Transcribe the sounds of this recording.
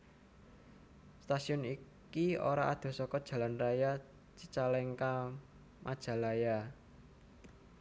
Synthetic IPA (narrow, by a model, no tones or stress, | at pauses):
st̪asiʊni | kio̰ɾaʔad̪̥o̤sɔkɔd̥ʒ̥ä̤lanraja | t͡ʃit͡ʃalɛŋka | mʔad̥ʒ̥ä̤laja